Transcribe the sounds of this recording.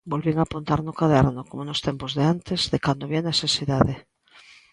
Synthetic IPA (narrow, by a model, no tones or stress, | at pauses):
bolβeŋapont̪aɾnokaðɛɾnokomonost̪empozðeant̪ez̥ðekand̪oβianesesiðaðe